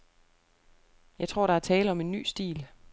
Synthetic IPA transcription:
jɑ̈ɪt͡sʰʁo̝ɐ̰ɾ̥ɑ̈æɐt͡sʰɛːləɒ̽me̝nːy̰ːsd̥ḭːl

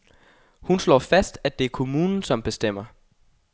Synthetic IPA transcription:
hunslɒ̰ːfæsd̥æd̥e̝æɐkʰo̝muːnn̩sɒ̽mb̥e̝sd̥em̰ɐ

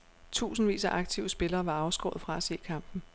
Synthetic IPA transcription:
t͡sʰṵːsn̩ʋḭːsæʔɑ̈ɡ̥̚t͡sʰiʊəsb̥e̝lɐːʋɑ̈ɑ̈ʊsɡ̥ɔ̰̽ːð̞̩ˠfʁɑ̈æse̝̰ːkʰɑ̈m̰b̥n̩

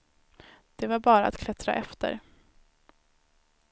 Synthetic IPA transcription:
d̪̥ɛvaɾbɑːɾaa̰t̪kʰlɛt̪ɾa̰ʔɛft̪ə̰ɾ

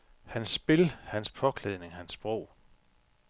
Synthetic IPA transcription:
hænsb̥e̝lhænspʰɒ̽kʰleðˠne̝ŋɦænsb̥ʁɔʊ̰

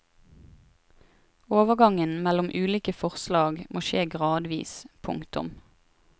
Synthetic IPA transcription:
oːʋəɡɑŋənmælʊmʔʉːliːkəfɔʁslɑːɡmʔoːʃeːɡʁɑːd̪ʋḭːspʰʊ̰ŋkt̪ʊ̰m

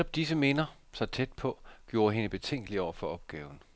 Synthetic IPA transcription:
ɒ̽b̥̚d̥isəme̝nɐ | sɑ̈ɪt͡sʰed̥̚pʰɒ̽ɡ̥jo̝ːɐɦe̝nəb̥e̝t͡sʰeŋ̰ɡ̥liɒʊ̰ɐfɒ̽ɒ̽b̥ɡ̥ɛːʊn̩

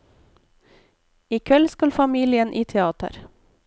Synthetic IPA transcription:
iːkʰɛlskɑlfɑmiːlɪənʔiːt̪ʰɛɑːt̪ə̰ɾ

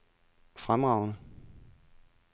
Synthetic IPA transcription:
fʁamʁɑ̈ʊnə

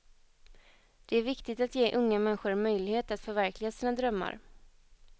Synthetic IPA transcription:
d̪̥ɛæɾvɪkt̪ɪt̪at̪jeːʔɵŋːamɛnːɪɧʊɾmœjlɪheːt̪at̪fœɾvæɾklɪɡasiːnad̪ɾœmːa̰ɾ

